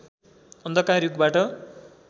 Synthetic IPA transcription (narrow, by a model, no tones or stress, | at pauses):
ʌnd̪ʌkãɾjuɡbaʈʌ